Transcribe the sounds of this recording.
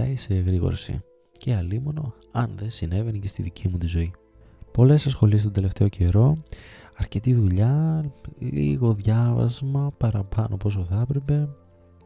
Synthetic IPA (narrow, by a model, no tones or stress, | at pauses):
ɐiseɣɾiɣo̞̰ɾsḭ | ceɐlimo̞no̞ | ɐnðe̞sine̞ve̞nice̞st̪iðicʰimut̪izo̞i | po̞le̞sɐsxo̞liest̪od̪ele̞ft̪e̞o̞cʰe̞ɾo̞ɐɾce̞t̪iðuʎɐlḭɣo̞ðʝɐvɐ̰zmɐpɐɾɐpɐno̞po̞s̬o̞θɐpɾe̞pe̞